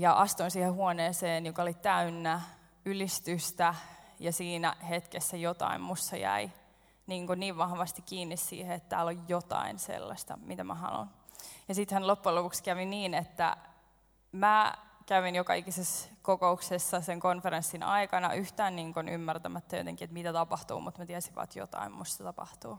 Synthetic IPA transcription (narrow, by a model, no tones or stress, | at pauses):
jɑʔɑst̪onsiːhehuoneːseːnjokɑolit̪æynːæ | ylist̪yst̪æjɑsiːnæ̰het̪kesːæjot̪ɑ̰immusːɑjæ̰i | niːŋkuniːʋʋɑhʋɑst̪ikkiːnːissḭːheet̪t̪æ̰ːlojːot̪ɑ̰insḛlːɑ̰st̪ɑ̰mit̪æmæ̰hɑ̰lo̰n | jɑsit̪hænlopːuelopukskæʋiniːnet̪ːæ̰ | mækæʋinjokɑikiseskokouksesːɑseŋkonfeɾensːinɑ̰ikɑnɑ̰ʔyht̪æːnniːŋkunʔy̰mːært̪æmæt̪ːæjo̰t̪eŋkiet̪mit̪æt̪ɑpɑht̪ṵːmut̪mæt̪iæsiʋɑ̰t̪jo̰t̪ɑ̰immusːɑt̪ɑpɑ̰ht̪uː